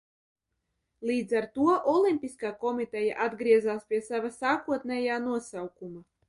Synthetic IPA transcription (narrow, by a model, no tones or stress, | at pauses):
lˠiːd̪zaɾt̪uɔʔɔlimʲpʲiskaːkɔmit̪ɛja̰ʔad̪ɡɾiɛzaːspʲiɛsavasaːkuɔt̪nɛjaːnuɔsawkuma